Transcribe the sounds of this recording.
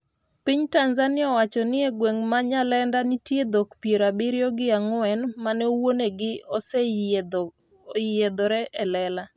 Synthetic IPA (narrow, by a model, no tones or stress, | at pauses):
pɪɲtanzanɪaɔwat͡ʃɔnɪɛɡweŋmaɲalɛndanɪtjed̪okpjeɾabɪɾjɔɡɪaŋʊɛnmanɛowoneɡɪɔsɛ | jed̪ɔɾɛʔɛlɛla